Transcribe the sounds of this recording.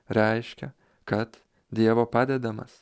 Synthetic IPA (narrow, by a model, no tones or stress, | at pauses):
ɾɛɪʃʲkʲɛ | kɐt̪ | d̪ʲiɛʋoːpɑːd̪ʲɛd̪ɐmɐ̰s